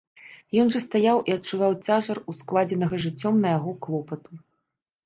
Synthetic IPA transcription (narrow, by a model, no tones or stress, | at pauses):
jɔnʐɐst̪ajawʔiɐt͡ʂːuvawt͡sʲaʐɐrusklˠad͡zʲɛnɐɣɐʐɨt͡sʲːɔmnɐjaɣɔklˠɔpɐt̪u